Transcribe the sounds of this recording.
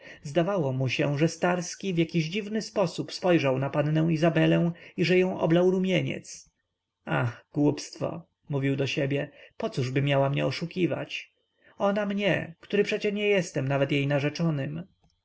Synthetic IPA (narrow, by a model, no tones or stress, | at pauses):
zd̪avawɔmuɕɛʐɛst̪aɾskʲivʲjakʲiʑd͡ʑivnɘspɔsupspɔjʐawnapanːɛ̃w̃izabɛlɛ̃w̃iʐɛjɔ̃w̃ʔɔ̰blawɾumʲjeɲɛ̰t̪s | axɡ̥wupst̪fɔ̰ | muvʲiwd̪ɔɕɛbʲjɛpɔt̪suʐbɘmʲjawamɲɛ̰ɔʂukʲiva̰t͡ɕ | ɔnamɲɛ̰kt̪uɾɘpʂɛt͡ɕɛɲɛjɛst̪ɛmnavɛt̪jejnaʐɛt͡ʂɔnɘm